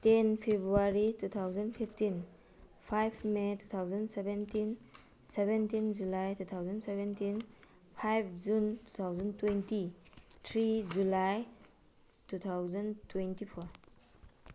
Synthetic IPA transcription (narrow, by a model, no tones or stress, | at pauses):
tenpʰebɾuaɾitut̪ʰawzɐnpʰipʰtin | pʰajpʰmetʰu̥t̪ʰawzɐnsebentin | sebentind͡ʒulajtʰut̪ʰawzɐnsebentin | pʰajp̚ʰd͡ʒuntu̥t̪ʰawzɐntwentitʰɾid͡ʒulaj | tut̪ʰawzɐntwentipʰɔɾ